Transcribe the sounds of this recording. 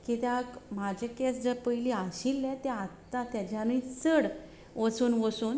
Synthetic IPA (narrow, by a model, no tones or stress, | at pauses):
kit̪akm̤ad͡ʑekɛsd͡zəpəiliaɕilːɛ̃t̪ɛ̃at̪ːat̪jat͡ɕjanuit͡səɽ | ʋəsuːnʋəsuːn